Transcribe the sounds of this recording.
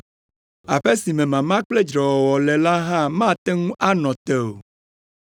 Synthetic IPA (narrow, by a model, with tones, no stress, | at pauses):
a˨ɸe˦si˨mẽ˨mã˨mã˦k͡ple˦d͡ʒɾɔ˨wɔ˨wɔ˨lɛ˨la˦ɦã˦mã˦˨t̪e˦ŋũ˦ʔa˦nɔ̃˨t̪e˨o˨